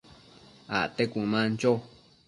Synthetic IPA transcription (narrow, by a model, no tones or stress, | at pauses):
a̰t̪ekũmãnt͡ʃo